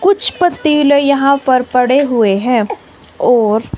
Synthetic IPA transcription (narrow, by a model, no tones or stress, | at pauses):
kʊt͡ʃʰpɐt̪ːiːljɐɦãpɐɾpɐɽeɦʊeɦɛ̃ː | ɔːɾ